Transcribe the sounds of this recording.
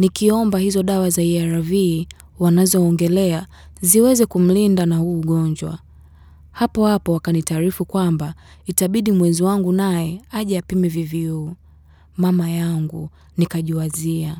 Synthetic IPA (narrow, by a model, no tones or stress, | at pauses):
nikiɔmbahizɔɗawazaiaɾavi | wanazɔːŋɡɛlɛa | ziwɛzɛkum̩lindanahuːɠɔɲd͡ʒwa̰ | hapɔhapɔwakanitaːɾifukwambaitaɓiɗimwɛziwaŋɡunajɛaʄaapimɛviviuː | mamajaŋɡṵ | nikaʄuwazia